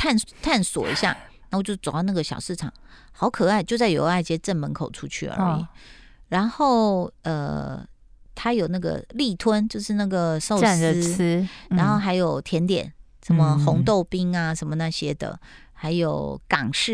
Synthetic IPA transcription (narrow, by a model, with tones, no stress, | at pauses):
t̪ʰa˥˩nt̪ʰa˥˩nswɔ̰˨˩ḭ˧˥ɕja̰˥˩na˥˩wɔ˨˩t͡ɕjo˥˩t͡so˨˩˨d̪ɑ˥˧na˥˩ɡə˩ɕjɑ˨˩ʊʂɻ̩˥˩ʈ͡ʂʰɑ̰˨˩˦ŋ | xɑ˧˥ʊkʰɤ˨˩a˥˧ɪt͡ɕjo˥˧ʊt͡sa˥˩jo̰˧˥ʊa˥˩ɪt͡ɕjɛ˥ʈ͡ʂə˥˩nmə˧˥nkʰo˨˩ʊʈ͡ʂʰu˦˥t͡ɕʰy̰˥˩ə̰˧˥ḭ˨˩ | ɻa˧˥nxo˥˩ʊə̰˧ | t̪ʰa˥jo˨˩ʊna˥˩ɡə̰˩li˥˩t̪ʰwə˥nt͡ɕjo˥˧ʊʂɻ̩˥˧na˥˩ɡə˩so˥˧ʊ˨s̩˧˥ɻa˧˥nxo˥˩ʊxa˧˥ɪjo˨˩ʊt̪ʰjɛ˧˥nt̪jɛ̰˨˩˦n | ʂə˧˦˥nmə˧xʊ˧˥ŋt̪o˥˧ʊpi˥ŋa˨ʂə˧˥nmə˧na˥˧˩ɕjɛ˥d̪ə̰˨ | xa˧˥ɪjo˨˩ʊkɑ˨˩ŋʂɻ̩˥˩